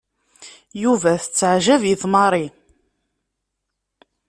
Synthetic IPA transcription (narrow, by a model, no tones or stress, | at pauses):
juvæθət͡sːəʕʒævjiθmɑɾˤi